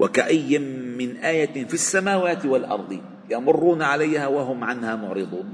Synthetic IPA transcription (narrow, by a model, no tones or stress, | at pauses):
wʔa̰kaʔajːɪnʔaːjafisːamaːwaːt̪ɪwalʔɑ̰ɾˤd̪ˤɨ | jamʊrːuːnaʕalajhaːwaɦʊmʕanhaːmʊʕɾɨd̪ˤuːn